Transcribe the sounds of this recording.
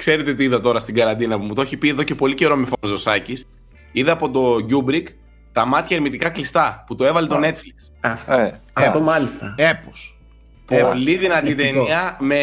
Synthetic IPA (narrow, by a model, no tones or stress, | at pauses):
kse̞ɾe̞t̪e̞t̪iiðɐt̪o̞ɾɐst̪iɡɐɾɐnd̪inɐpumut̪o̞çipie̞ðoce̞po̞lice̞ɾo̞mefonzosɐcis | iðɐɐpo̞t̪o̞ɟubɾik | t̪ɐmɐt̪çɐeɾmit̪ikɐklist̪ɐput̪oe̞vɐlet̪o̞ne̞t̪fliks | ɐɐt̪omɐlist̪ɐepos | popliðinɐt̪it̪eniɐme